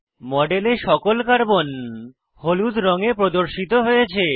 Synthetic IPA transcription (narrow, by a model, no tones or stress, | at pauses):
mɔɖeleʃɔkolkaɾbon | holud͡ʑɾɔŋepɾod̪oɾʃit̪oɦojet͡ɕʰe